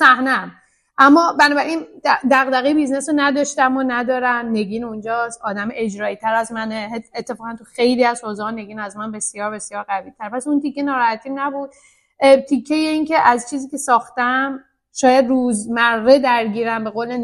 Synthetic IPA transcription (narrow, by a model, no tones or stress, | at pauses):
sæhneæm | ʔæmːɒːbænɒːbæɾinæd̪æɣd̪æɣejbiznesonæd̪ɒːʃt̪æmonæd̪ɒːɾæmne̞ɡiːnund͡ʒɒːsɒːd̪æmʔe̞d͡ʒɾɒːjit̪ʰæɾæzmæneːt̪ʰːe̞fɒːɣænt̪ʰuxe̞jliːæzhoːzɛhne̞ɡiːnæzmænbe̞sjɒːɾbe̞sjɒːɾɣæviːlt̪ʰæɾepʰæsunt̪ikʰːenɒːɾɒːhæt̪ʰiːnæbud̪̥̚ | t̪ʰicʰːejeince̞ʔæzt͡ʃʰiːziːcʰʲe̞sɒːxt̪æm | ʃɒːjæd̪ruːzmæɾːe̞d̪æɾɟiːɾæmbe̞ɣoːle